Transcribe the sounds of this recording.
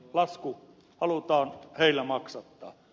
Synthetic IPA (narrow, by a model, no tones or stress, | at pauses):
lɑsku | hɑlut̪ɑːnheilːæmɑksɑt̪ːɑ̰ː